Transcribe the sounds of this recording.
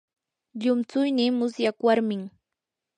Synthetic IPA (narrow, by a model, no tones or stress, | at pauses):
ʎʊmt͡sʊjnɪmʊsjakwaɾmɪŋ